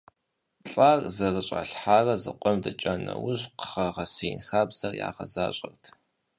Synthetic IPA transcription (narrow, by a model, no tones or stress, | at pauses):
ɬʼaːrzɐrɨɕʼɐ̰ɬħaːrɐzɨqʷʼɔmdɐt͡ʃʼɐnɐ̰wʊʑqə̥χɐʁɐsiːnxaːbz̥ɐrja̰ːʁɐzaːɕʼɐrtʰ